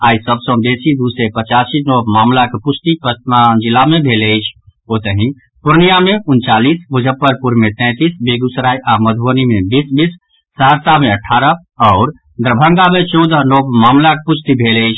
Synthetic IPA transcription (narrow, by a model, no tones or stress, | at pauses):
aːisəbsə̃d̪esid̪usepət͡ʃasinopmaːmlakepust̪ipəd͡ʒilamebʱelejt͡ʃʰot̪əɦĩ | puɾnijameʊnt͡ʃaːlisbud͡ʒʱəpːəɾpuɾmẽt̪ɛ̃t̪iːsbeɡusɾaːiʔaməd̪ʱuənimebisbisː | əɦəɾsameəʈʰːaːɾə | ɔʊɾ | d̪ɾəbʱəŋɡamet͡ʃɔd̪əɦnopmaːmlakepust̪ibʱeləjt͡ʃʰ